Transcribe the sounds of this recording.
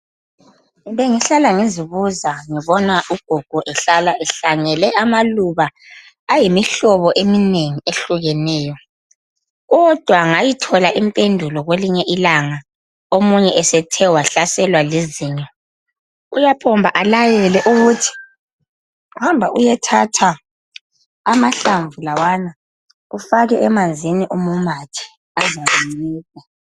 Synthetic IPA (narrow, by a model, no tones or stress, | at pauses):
βeŋiɬalaŋiziβuzaŋiβɔnaʔuɡ̥ʱuɡ̥ʱɔʔɛɬalaʔɛɬaŋɛlɛʔamaluβaː | jimiɬɔβɔʔemineŋieɬuɣɛnɛːjɔ | ɣɔd̥ʱwaŋajitʰɔlaʔimpʼendʱulɔɣweliɲɛʔilaŋa | omuɲɛʔɛsɛtʰɛwaɬasɛlwaleziːɲɛ | ṵjapʰɔmbʱaʔalajɛlɛʔuɣutʰi̥ | uhambʱaujɛtʰatʰa | amaɬaɱvulawana | ufaɣɛɛmand͡zʱiniʔumumatʰi̥ | azaumliːka